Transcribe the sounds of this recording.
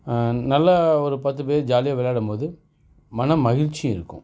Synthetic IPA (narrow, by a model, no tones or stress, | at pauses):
nɐlːɐɔɾɯpɐt̪ːɯp̬eːɾd͡ʒaːlɪjɐʋɛlaːɽɐmpoːðɯ | mɐnɐmːɐɣɪɻt͡ʃːiɪ̰ɾɯkːɯ̰̃